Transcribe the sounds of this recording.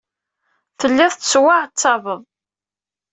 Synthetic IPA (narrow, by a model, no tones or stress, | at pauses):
θəlːiðˤt̪swaʕt͡sːɑvəðˤ